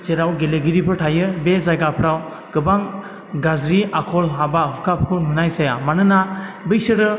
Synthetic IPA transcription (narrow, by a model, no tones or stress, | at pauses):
t͡ʃeɾawɡeleɡiɾipʰɯɾtʰajɯbezajɡapʰɾaw | ɡ̥ɯbaŋ | ɡazɾiakʰɔlɦabaɦukʰapʰkʰununajsajamanɯnabɯjsɯɾɯ